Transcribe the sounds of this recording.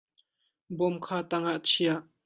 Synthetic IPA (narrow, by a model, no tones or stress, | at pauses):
bɔmkʰaːt̪aŋaʔt͡sʰiaʔ